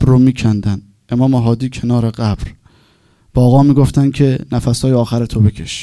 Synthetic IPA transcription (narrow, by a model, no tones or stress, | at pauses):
bɾomiːcʰænd̪ænd̪ | ʔe̞mɒːmeɦɒːd̪iːcʰe̞nɒːɾe̞ɢæbɾ | b̥ːɣɒːmiːɡo̞ft̪ænd̪̚cʲʰe̞næfæshɒːjeɒːxæɾet̪ʰobe̞kʲʰe̞ʃi̥